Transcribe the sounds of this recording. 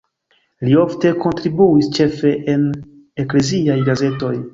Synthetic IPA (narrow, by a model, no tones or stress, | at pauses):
lio̞fte̞ko̞ntɾibuist͡ʃe̞fe̞ʔen | ekle̞ziajɡaze̞to̞j